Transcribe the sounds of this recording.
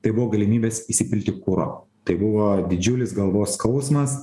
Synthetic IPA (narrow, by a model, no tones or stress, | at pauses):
t̪ɐɪbʊʋoːɡɐlʲɪmʲiːbʲeːsisʲɪpʲɪlʲt̪ʲɪkʊɾo̰ː | t̪ɐɪbʊʋoːd̪ʲɪd͡ʒʲʊlʲɪsɡɐlˠʋoːskɐʊsmɐs